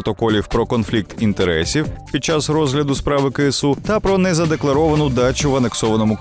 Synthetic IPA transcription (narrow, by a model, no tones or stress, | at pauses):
t̪ɔkɔlʲiwpɾɔkɔnflʲik̚t̪int̪eɾɛsʲiwpʲid̪̚t͡ʃɑzɾɔzɦlʲɐd̪ʊspɾɑʋɪkɪsut̪ɐpɾɔnɛzɐd̪e̞klˠɐɾɔʋɐnʊd̪ɑt͡ʃʊʋɐne̞ksɔʋɐnɔmʊk